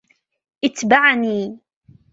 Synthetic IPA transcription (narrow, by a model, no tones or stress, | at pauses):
ʔɪt̪baʕniː